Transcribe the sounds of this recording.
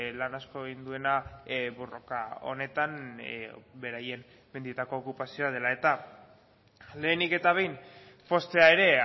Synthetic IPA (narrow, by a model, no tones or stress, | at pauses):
lanasko̞eɣind̪ue̞naβo̞ro̞kao̞̰ne̞t̪am | be̞ɾaje̞m | mend̪it̪ako̞ːkupasio̞að̞e̞lae̞t̪a | le̞ːnike̞t̪aβe̞jn | fo̞st̪e̞ae̞ɾe̞